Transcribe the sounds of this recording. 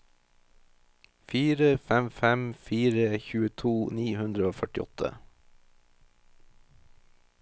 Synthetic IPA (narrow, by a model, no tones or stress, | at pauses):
fiːɾəfɛmfɛmfiːɾəçʉːət̪ʰuːniːhʉnd̪ɾəoːfœʈɪɔt̪ʰə̰